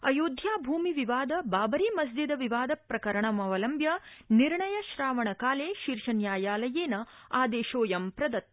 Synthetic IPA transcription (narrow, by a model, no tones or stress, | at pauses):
ɐjoːd̪ʱjaːbʱuːmiʋiʋaːd̪ɐbaːbɐɾimɐsd͡ʒ̪id̪ɐʋiʋaːd̪ɐpɾɐkɐɾɐɳɐmɐʋɐlɐmbjɐniɾɳɐjɐʃɾaːʋɐɳɐkaːleːʃiɾʂɐnjaːjaːlɐjeːnɐaːd̪eːʃoːjɐmpɾɐd̪ɐt̪̚